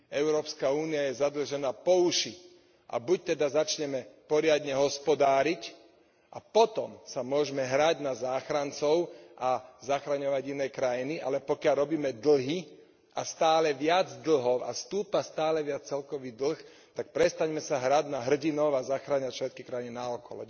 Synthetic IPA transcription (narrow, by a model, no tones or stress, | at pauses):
ɛʊɾɔːpskauːniajɛzad̪l̩ʒɛnaːpɔuʃi | ʔa̰buc̚t̪ɛd̪azat͡ʃɲɛmɛpɔɾɪad̪ɲɛɦɔspɔd̪aːɾic | ʔa̰pɔt̪ɔmsamʊɔʒmɛɦɾaɟnazaːxɾant͡sɔʊʔazaxɾaɲɔʋaɟinɛjkɾajiniʔa̰lɛpɔkɪaʎɾɔbiːmɛd̪l̩ɦi | ast̪aːlɛʋɪad͡zd̪l̩ɦɔʊa̰st̪uːpast̪aːlɛʋɪat͡st͡sɛlkɔʋid̪l̩x | t̪ak̚pɾɛst̪aɲmɛsaɦɾaɟnaɦr̩ɟinɔʊazaxɾaːɲacʃʋɛt̪̚kikɾaininaɔkɔ̰lɔ̰